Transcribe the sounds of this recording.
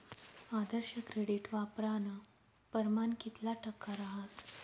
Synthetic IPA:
ad̪əɾɕəkɾeɽiʈʋapɾanə | pəɾmankit̪laʈʰəkːaɾaɦat̪

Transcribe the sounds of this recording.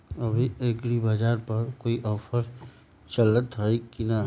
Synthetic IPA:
ɐbʱieɡɾibad͡ʒaːɾpɐɾkoːiʔɔːpʰəɾ | t͡ʃɐlət̪ɦoikina

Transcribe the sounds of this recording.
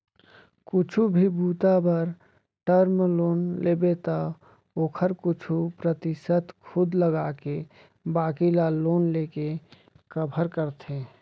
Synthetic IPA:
kʊt͡ʃʰubʱibuːt̪abəɾ | ʈəɾmloːnleːbet̪a | oːkʰəɾkʊt͡ʃʰupɾət̪ɪʃət̪kʰʊd̪ləɡaːke | baːkilaloːnleːke | kəbʱəɾkəɾt̪ʰeː

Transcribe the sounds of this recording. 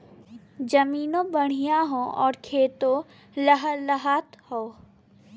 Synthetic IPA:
d͡ʒɐmiːnõbəɽ̤̃ijaɦõʔɔ̰ːɾkʰeːt̪õ | ləɦələɦat̪hoː

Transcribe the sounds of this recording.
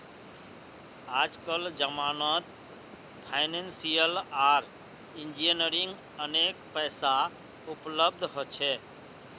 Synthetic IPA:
ad͡ʒkəld͡ʒəmanət̪ | pʰaɪnensijəlaɾ | ind͡ʒiənəɾiŋɡ | ənekpəjsa | upləb̚d̪ʱɦot͡ʃʰɛ

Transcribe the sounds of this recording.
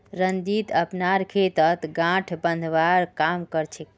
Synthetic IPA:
ɾənd̪it̪əpnaɾkʰet̪ət̪ɡãʈʰbənd̪ʱʋaɾkamkəɾt͡ʃʰɛ

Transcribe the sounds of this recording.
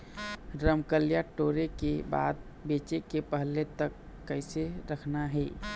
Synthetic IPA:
ɾəmkəljaʈoɾekeba̰ːd̪̚ | bet͡ʃekepəɦlːet̪əkː | əɪseɾəkʰnaɦɛ

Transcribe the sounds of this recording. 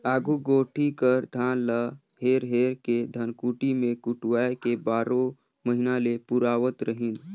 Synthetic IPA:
aːɡuɡoːʈʰikəɾd̪ʱalə | ɦeɾɦeɾked̪ʱənkuʈimekuʈʋajkebaːɾo | məɦinalepuɾaːʋət̪ɾəɦin

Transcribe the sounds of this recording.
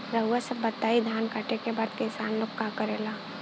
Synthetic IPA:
ɾəwasəbːət̪aːid̪ʱaːnkaʈekebaɾt̪kɪsaːnlʊkːakəɾeːla

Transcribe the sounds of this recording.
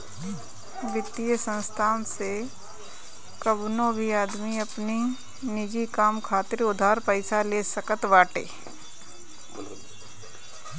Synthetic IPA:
ʋɪt̪ijəsə̃nst̪ʰaːnse | kəbnõbʱiaːd̪miɐpni | nɪd͡ʒikaːmkʰaːt̪ɪɾʊd̪ʱaːɾpəɪsaleːsəkət̪ʋaːʈḛː

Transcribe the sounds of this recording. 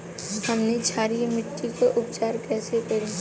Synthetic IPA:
hɐmnet͡ʃʰaːɾijmɪʈːikaʔʊp̚t͡ʃaːɾkɛːsekɐɾe

